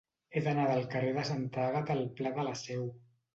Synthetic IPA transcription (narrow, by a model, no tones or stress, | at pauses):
eðənaðəlˠkəreðəsant̪aɣət̪əlˠplaðələsɛw